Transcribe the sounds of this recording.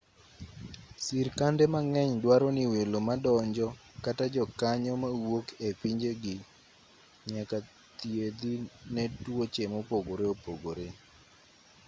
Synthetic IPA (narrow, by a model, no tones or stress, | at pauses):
siɾkandɛmaŋɛɲdwaɾɔniwelomadɔɲd͡ʒɔkatad͡ʒɔkaɲɔmawokepiɲd͡ʒeɡɪ | ɲaka | t̪jed̪inɛtwot͡ʃemopoɡoɾeopoɡoɾe